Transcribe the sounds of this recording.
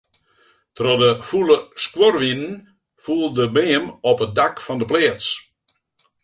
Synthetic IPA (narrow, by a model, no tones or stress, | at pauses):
trɔdəfulˠəskworʋinən | fulˠdəbeːəmɔpət̚dakfɔndəpleːəs